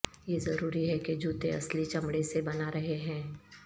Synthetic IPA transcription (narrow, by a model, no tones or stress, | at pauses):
jezɐɾuːɾiɦɛked͡ʒuːt̪eɐ̰slit͡ʃɐmɽesebɐnaɾɐɦeɦɛ̃ː